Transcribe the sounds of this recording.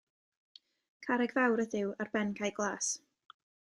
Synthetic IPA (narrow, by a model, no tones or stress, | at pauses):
kʰaɾɛɡvawɾəðɪwarbɛnkʰajɡlˠaːs